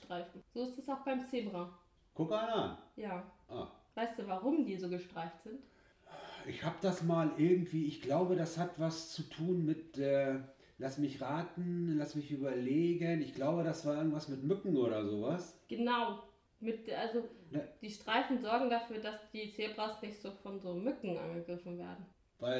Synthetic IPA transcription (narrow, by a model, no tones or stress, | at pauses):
ʃtʁ̥aɪfn̩z̥oːɪstɛsaʊxb̥aɪmt͡seːbʁa | kʰʊkananjaːʔavaɪst̚d̥uːvaʁʊmdiːzoːɡəʃtʁ̥aɪftz̥ɪnt | ʔɪçhaːbəd̥asmaːlʔɪɐɡŋ̩tv̥iːɪçɡ̥laʊbədashatv̥ast͡sutʰuːnmɪtʔɛː | lasmɪçʁaːtn̩lasmɪçʔyːbɐleːɡənɪçɡ̥laʊbəɾasv̥aːɐɪɐɡŋ̩tv̥asmɪtmʏkŋ̩ʔoːɾɐzoːvasɡ̥ənaʊ | mɪtʔalzonəd̥iːʃtʁ̥aɪfn̩zɔɐɡŋ̩dafyːɐdasd̥iːt͡seːbʁɐsnɪçtz̥oːfɔnzoːmʏkŋ̩ʔa̰nɡəɡʁɪfn̩veːɐdn̩ | vaɪl